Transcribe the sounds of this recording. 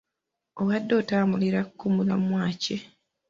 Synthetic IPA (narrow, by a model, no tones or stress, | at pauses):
oɣadːo̞ːtaːmbuliɾakkːumulamwaːce